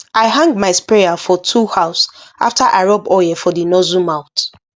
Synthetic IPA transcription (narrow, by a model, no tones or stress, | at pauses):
aɪɦãŋɡmaɪspejafɔtʰuhaʊsʔa̰ftʰaʔaɹɔbɔjɛfɔdinɔzumãʊt